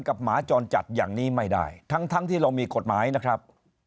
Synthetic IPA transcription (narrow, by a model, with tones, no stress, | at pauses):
nka˨˩p̚maː˩˦t͡ɕɔː˧nt͡ɕa˨˩t̪̚jaː˨˩ŋniː˦˥˩ma˥˩jda̰ː˥˩jt̪ʰa˦˥ŋt̪ʰa˦˥ŋt̪ʰiː˥˩ɾa˧wmiː˧ko˨˩t̪̚maː˩˦jna˦˥kʰɾa˦˥p̚